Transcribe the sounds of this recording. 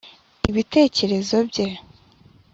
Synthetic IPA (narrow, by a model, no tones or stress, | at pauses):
iβite̞ːce̞ɾe̞zo̞bɟe̞